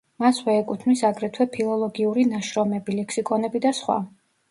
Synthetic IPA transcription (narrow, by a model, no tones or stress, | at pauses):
maswɛːkʼut̪ʰmisaɡɾɛt̪ʰwɛpʰilˠɔlˠɔɡiuɾinaʃɾɔmɛbilɛkʰsikʼɔnɛbid̪asχwa̰